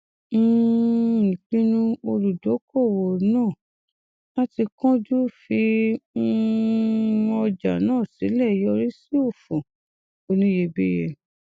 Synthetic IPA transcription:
n̩˦ | ĩ˨k͡pĩ˦nũ˧o˧ɾu˨do˨˦ko˦˨wo˨˦nãː˦˨ | la˦ti˧kɔ̃˦d͡ʒu˦fi˧˦˧ | ɔ˧d͡ʒa˨nãː˦˨si˨˦lɛ˦˨jɔ˧ɾi˦si˦o˦˨fõ˨ | o˧nĩ˦je˧be˦je˧

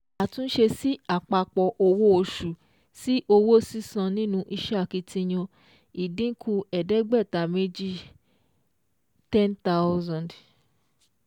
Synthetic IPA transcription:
a˨tũ˦n̩˦ʃe˧si˦a˨k͡pa˧k͡pɔ˧ʔo˧wo˦o˧ʃu˨ | si˦ʔo˧wo˦si˦sã˧nĩ˦nũ˧ʔi˧ʃa˦˨ki˧tĩ˧j̃ɔ̃˧ | i˨dĩ˦kʰu˧ɛ˨dɛ˨˦ɡ͡bɛ˦˨ta˨me˦d͡ʒi˦ | tɛ̃˦nta˦zã˨d

